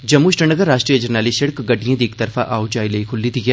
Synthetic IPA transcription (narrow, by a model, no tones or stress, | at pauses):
d͡ʒɐmːuʃʈənəɡəɾːaːʃʈɾijəd͡ʒɐɾnaːlɪsʃɐɽkɡɐʈijãd̪eːkt̪ɐɾfaʔaːwd͡ʒaːileikʰʊlːid̪iɡɛː